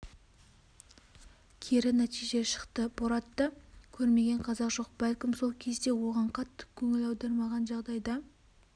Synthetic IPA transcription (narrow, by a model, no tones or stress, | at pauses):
kʲʰeɾɪnæt̪ijʒe̞ʃə̥qt̪əboɾɑt̪ːəkʲʰɵɾme̞ɡʲe̞ɴqʰɑzɑqʒ̥o̞q̚bælkʲɪmso̞lˠkʲʰe̞zd̪e̞wo̞ʁɑɴqʰɑt̪ːə̥kʲʰɵŋɪlɑwd̪ɑɾmɑʁɑnʒɑʁd̪ɑjd̪ɑ